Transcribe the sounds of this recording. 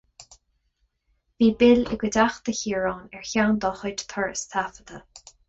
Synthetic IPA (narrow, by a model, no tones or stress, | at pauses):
viːbɪlɪ̰ɡəd̪axd̪əhiːɹɑːnɛɹçawnd̪ɔːxɔdt̪ʰɔɹst̪ʰafəd̪ə